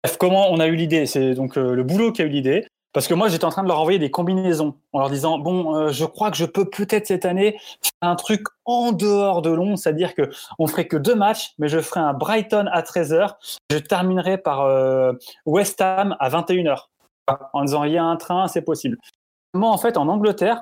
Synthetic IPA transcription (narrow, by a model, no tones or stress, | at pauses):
ɛfkɔmɑ̃ɔ̃naylid̪esɛd̪ɔ̃køləbulokʲiaylid̪e | paʁsə̥kəmwaʒet̪ɛɑ̃t̪χɛ̃d̪əlœʁɑ̃vwajed̪ekɔ̃binezɔ̃ɑ̃lœʁd̪izɑ̃bɔ̃ʒəkχwakəʒəpøpʰøt̪ɛt̪χsɛt̪anefɛʁɛ̃t̪χykɑ̃d̪əɔʁd̪əlɔ̃sɛt̪ad̪iʁkəɔ̃fəχɛkəd̪ømat͡ʃmɛʒəfəʁɛɛ̃bʁajt̪ɔnat̪χɛzœːʁeʒət̪ɛʁminʁɛpaʁø | wɛst̪amavɛ̃t̪eynœːʁ | aɑ̃d̪izɑ̃ʁjɛ̃ɛ̃t̪χɛ̃sɛpɔsibl | mɑ̃ːfɛt̪ɑ̃nɑ̃ɡlət̪ɛːʁ